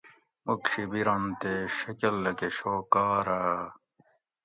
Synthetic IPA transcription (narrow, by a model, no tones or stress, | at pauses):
okɕibiɾɐnt̪eɕɐkɐlːɐkeɕoːkaːɾaː